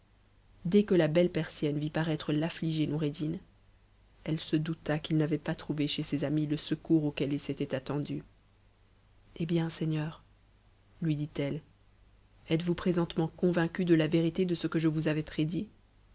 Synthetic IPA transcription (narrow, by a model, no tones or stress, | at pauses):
d̪ɛkəlabɛlpɛʁsjɛnvipaʁɛt̪χəlafliʒenuʁed̪in | ɛlsəd̪ut̪akilnavɛpat̪χuveʃesezamiləsəkuʁokɛlilset̪ɛt̪at̪ɑ̃d̪y | ebjɛ̃sɛɲœʁ | lɥid̪it̪ɛl | ɛt̪vupχezɑ̃t̪mɑ̃kɔ̃vɛ̃kʲyd̪əlaveʁit̪ed̪əsəkəʒəvuzavɛpχed̪i